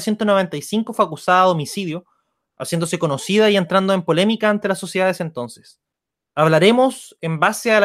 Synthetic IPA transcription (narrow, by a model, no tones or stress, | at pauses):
sje̞nt̪ono̞βe̞nt̪ajsiŋkofakusaðaːðo̞misiðjo | asjend̪o̞s̬e̞ko̞no̞siðaie̞nt̪ɾand̪oempo̞le̞mikaːnt̪e̞laso̞sjeðaðesent̪o̞nses | aβlaɾe̞mo̞sembaseal